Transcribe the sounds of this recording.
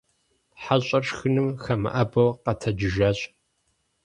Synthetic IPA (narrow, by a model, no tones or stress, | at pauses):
ħaɕʼɐrxɨnɨmxɐmɨ̰ʔɐbɐwqɐtʰɐd͡ʒɪʒɐːɕʼ